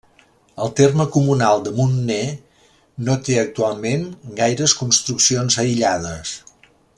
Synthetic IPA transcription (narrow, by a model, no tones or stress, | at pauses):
əlˠt̪erməkumunalˠd̪əmunːe | not̪eək̚t̪ualˠmenɡajɾəskunst̪ɾuksionzəiʎaðəs